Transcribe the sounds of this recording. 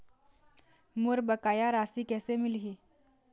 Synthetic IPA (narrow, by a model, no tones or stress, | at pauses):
muɾbəkajaɾasiːkɛsemilɦi